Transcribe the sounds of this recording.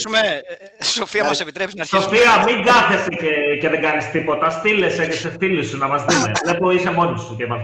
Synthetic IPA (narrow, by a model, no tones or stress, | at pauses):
me | sofiɐmɐsepit̪ɾesso̞fiɐmiŋɡɐθe̞st̪ecece̞ðeŋɡɐnist̪ipo̞t̪ɐst̪ile̞seneseθilisunɐmɐsðimelepoisemo̞nisuceimɐn